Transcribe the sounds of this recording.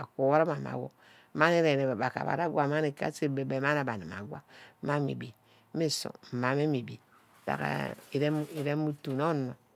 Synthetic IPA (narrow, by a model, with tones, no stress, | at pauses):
a˨ko˨wa˦ɾa˦ma˨ma̰˨wo̰˦ | ma˦ni˦ɾe˨ɾe˨ba˨ka̰˨ba̰˨ɾa˦ɡʷa˨ma˦ni˨ka̰˦se˦be˨be˨ma˦na˨ba˨ni˨ma̰˨ɡwa̰˦ma˦mḭ˨bi˨˦ | mi˦so̰˨ma˨me˦mi˨bi˨ | da̰˨ka̰˨i˨ɾe˦i˨ɾe˦mu˦tu˨no˦nːo˨